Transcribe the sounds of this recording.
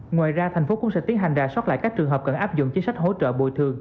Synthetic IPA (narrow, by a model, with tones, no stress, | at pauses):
ŋwaː˨jzaː˧t̪ʰj̟fo˨˦kʊ̰˧˥ŋ͡msɛ̰˧˥t̪i˨˦ənɦa˨˩jŋ̟zaː˨˩swa˦˥t̚la̰ː˧˨jkaː˦˥k̚t͡ɕɨ˨˩əŋɦəː˨˩p̚kə˧˩nʔaː˦˥p̚zʊ̰˧˨ŋ͡mt͡ɕi˨˦nsa˦˥jk̚ɦo̰˧˥t͡ɕə̰ː˧˨ɓo˧˩jt̪ʰɨ˨˩əŋ